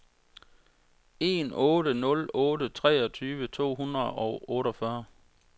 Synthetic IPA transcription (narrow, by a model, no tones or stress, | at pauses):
e̝̰nɔ̽ːɾənɔ̽lɔ̽ːɾət͡sʰʁɛ̰ːɒt͡sʰyːʋət͡sʰo̝̰ːɦunʁɐð̩ˠɒʊɔ̽ːɾɒfɶɐ